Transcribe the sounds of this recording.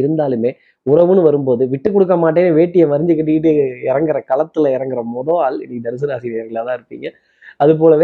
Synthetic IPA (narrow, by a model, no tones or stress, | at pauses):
ɪɾɯnd̪aːlɯmeː | ʊɾɐʋɯnɯʋɐɾɯmpoːðɯʋɪʈːɯkːɔɽɯk̬ːɐmaːʈ̬ːeːnɯʋeːʈːɪjɐmɐɾɪɲd͡ʒɯkːɐʈːɪɪʈ̬ːɯɪɾɐŋɡɪɾɐkɐlɐt̪ːɯlɐɪɾɐŋɡɪɾɐmɔðoaːlɪ̰nːikːd̪ɐɾɯs̬ɪnɐɐsɪðɪjɐɾkɐɭaːt̪ãːɪɾɯpːiːŋɡɐ | ɐðɯp̬oːlɐʋeː